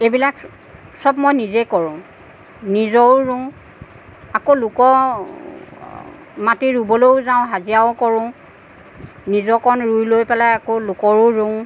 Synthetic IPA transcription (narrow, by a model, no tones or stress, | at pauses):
ebilak | sɔb̚mɔjnizekɔɹʊ̃ | nizɔɹɹũ | akolʊkɔ | matiɹubɔlowzaʊ̃ɦazijaʊkɔɹʊ̃ | nizɔkɔnɹujlojpɛlajakolʊkɔɹʊɹũ